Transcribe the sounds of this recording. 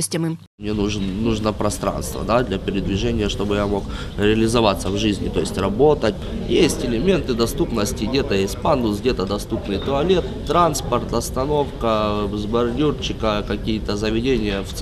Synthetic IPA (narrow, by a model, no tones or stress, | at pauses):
sʲtʲɪmɨm | mnʲenuʐnːuʐnəpɾɐst̪ɾa̰nst̪və̰d̪ad̪lʲɐpʲɪɾʲɪd̪vʲɪʐɛnʲɪjəʂt̪o̞bɨjamo̞k | ɾʲɪɐlʲɪzɐvat̪sːəvʐɨzʲnʲɪ̰t̪o̞jɪsʲtʲrɐbo̞t̪ət̚ʲjesʲtʲɪlʲɪmʲe̞nt̪ɨd̪ɐst̪upnəsʲtʲɪɡdʲe̞t̪əjesʲt̚ʲpand̪ʊsɡdʲet̪əd̪ɐst̪upnɨjt̪ʊɐlʲe̞t̪ːɾanspərt̪ɐst̪ɐno̞fkəzbɐrdʲurt͡ɕːɪkəkɐkʲijət̪əzəvʲɪdʲenʲɪjəft̪s